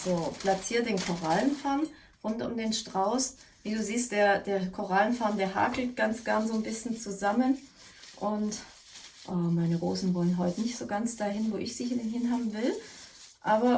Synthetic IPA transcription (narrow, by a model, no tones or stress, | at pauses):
zoːpʰl̥at͡siːɐt̚d̥eːnkʰoʁalənfɛɐn | ʁʊntʊ̰mdeːnʃtʁ̥aʊsviːduːziːst̚d̥eːɐd̥eːɐkʰoʁ̞alənfɛɐndeːɐɦa̰ːkl̩tɡ̥ant͡sɡ̥ɛɐnzoːnbɪsçn̩t͡suzamən | ʔʊnt | ʔaːmaɪnəʁoːsn̩vɔlənɦɔʏtənɪçtz̥oːɡant͡sd̥aːɦɪnvoːʔɪçz̥iːhdnɦɪnɦaːbm̩vɪl | ʔaːbɐ